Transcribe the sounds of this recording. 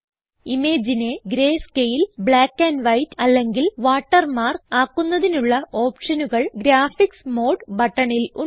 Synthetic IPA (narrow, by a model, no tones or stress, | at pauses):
ime̞ːd͡ʑine̞ɡɾe̞ːskejilbɭaːkːanʋɐjtɐlːe̞ŋɡilʋaːʈːɐrmaːrkaːkːunːɐðinuɭːɐʔoːpʂɐnuɣɐɭɡɾaːfiksmo̞ːɖbɐʈːɐɳilu